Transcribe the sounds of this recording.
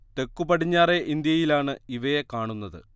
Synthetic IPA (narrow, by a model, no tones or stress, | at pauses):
t̪e̞kːubɐɽiɲːaːre̞ʔind̪jɐjilaːɳɨiʋɐjekaːɳunːɐðɨ̰